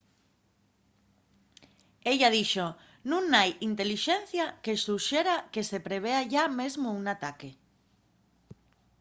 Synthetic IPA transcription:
eʎað̞iʃo | nũŋajint̪eliʃen̟θjakesuʃeɾakesepɾeβ̞eaʝamezmouŋat̪ake

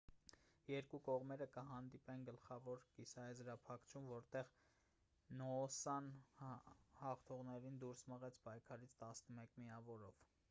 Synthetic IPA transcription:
jɛɾkukɔʁmɛɾəkəɦɑnd̪ipɛnɡəlχɑvɔɾkisɑɛzɾɑpʰɑkʰt͡ʃʰumvɔɾt̪ɛʁ | nɔːsɑn | hɑχt̪ʰɔʁnɛɾind̪uɾsməʁɛt͡sʰpɑjkʰɑɾit͡sʰt̪ɑsnəmɛkmiɑvɔɾɔv

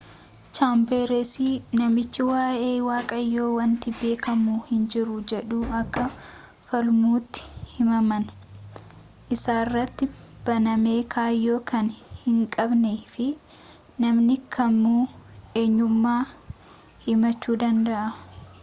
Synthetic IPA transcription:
t͡ʃaːmbeːɾesiːnɐmɪt͡ʃːɪwaːʔeːwaːkʼɐjːo̞ːwɐnt̪ɪbe̞ːkɐmuːhɪnd͡ʒɪɾʊd͡ʒɛᶑuːɐkːɐ | fɐlmuːt̪ːɪ̥hɪmɐmɐn | ʔɪsaːrːɐt̪ːɪb̥ɐnɐme̞ːkʰaːjːo̞ːkɐnhɪŋkʼɐbneːfɪ | nɐmnɪkʰɐmːuːe̞ːɲːʊmːaː | hɪmɐt͡ʃːuːd̪ɐnd̪ɐʔɐ

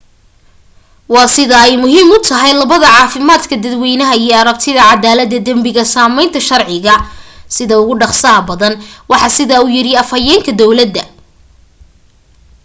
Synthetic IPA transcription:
wɑːsɪðɐɛjmʊɦiːmʊt̪ʰɐɦɛjlɐβɐðɐʕɑːfɪmaːd̪kʰɐd̪ɐd̪wijnɐɦɐijɔɐɾɐb̚t̪ʰɪðɐʕɑd̪aːlɐd̪ːɐd̪ɐmbɪɣɐsaːmɛjnt̪ʰɐʃɐrʕɪɣɐsɪðɐʊɣʊɖɑχsɐɦɐbɐðɐnwɑħɑsɪðɐʊjɪɾɪɐfɐjɛːŋkʰɐd̪ɔwlɐd̪ːɐ

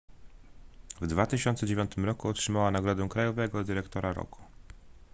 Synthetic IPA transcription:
vd̪vat̪ɘɕɔnt̪sɛd͡ʑevʲɔnt̪ɘmɾɔkuɔtʂɘmawanaɡɾɔd̪ɛw̃kɾajɔvɛɡɔd̪ɘɾɛkt̪ɔɾaɾɔ̰ku̥

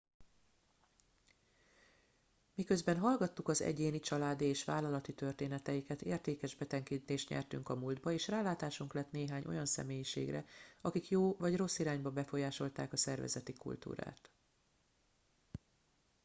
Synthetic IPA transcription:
mikø̞zbɛnɦɒlɡɒt̪ːukɒzɛ̰ɟeːnit͡ʃɒlaːd̪ieːʃʋaːlɒlɒt̪it̪ø̞rt̪eːnɛt̪ɛjikɛt̪ḛːrt̪eːkɛʒbɛt̪ɛŋkit̪eːʃt̪ɲɛ̰rt̪yŋkɒmuld̪bɒeːʃraːlaːt̪aːʃuŋklɛt̪neːɦaːɲʔo̞̰jɒnsɛ̰meːjiʃḛːɡrɛ̰ɒkikjoːvɒɟro̞sːiɾaːɲbɒbɛfo̞jaːʃo̞lt̪aːkɒsɛrvɛ̰zɛt̪ikṵlt̪ṵːɾa̰ːt̪

